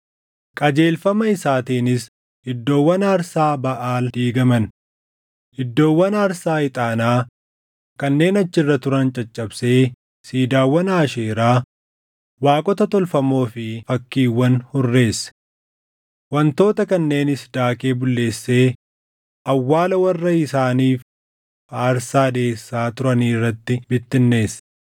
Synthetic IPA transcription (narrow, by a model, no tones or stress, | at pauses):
kʼɐd͡ʒe̞ːlfɐmɐɪsaːt̪iːnɪs | hɪd̪ːo̞ːwːɐnaːɾsaːbɐʔaːld̪iːɡɐmɐn | hɪd̪ːo̞ːwːɐnaːɾsaːɪt̪ʼaːnaː | kɐnːe̞ːnɐt͡ʃːɪrːɐt̪ʊɾɐnt͡ʃʼɐt͡ʃʼːɐbse̞ː | siːd̪aːwːɐnaːʃeːɾaː | waːkʼɔt̪ɐt̪ɔlfɐmo̞ːfɪfɐkːiːwːɐnhʊrːe̞ːsɐ̥ | wɐnt̪o̞ːt̪ɐkɐnːe̞ːnɪsd̪aːke̞ːbʊlːe̞ːsːe̞ː | ɐwːaːlɐwɐrːɐɪsaːniːf | aːɾsaːd̪e̞ːsːaːt̪ʊɾɐniːrːɐt̪ːɪbɪt̪ːɪnːe̞ːs